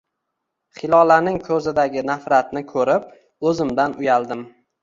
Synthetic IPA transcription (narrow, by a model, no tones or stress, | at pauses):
χɪlɒlanɪŋkʰɵzɪd̪aɡʲɪnafɾat̪̚nɪkʰɵɾɪp̚ | ɵzɪmd̪anʊjald̪ɪm